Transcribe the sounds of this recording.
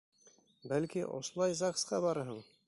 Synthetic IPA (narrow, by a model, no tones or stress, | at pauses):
bælkiʔo̰slˠɑjzɑqsqɑbɑɾɦɤɴ